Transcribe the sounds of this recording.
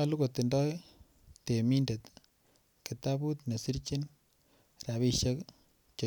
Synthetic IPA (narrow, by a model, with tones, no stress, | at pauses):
alu˦kot̪ːi˨ndɔ˦j | te˨mi˦ndet̪ | ki˨t̪abu˦t̪ne˨si˦ɾt͡ʃi˦n | ra˨βiʃe˦k | t͡ʃo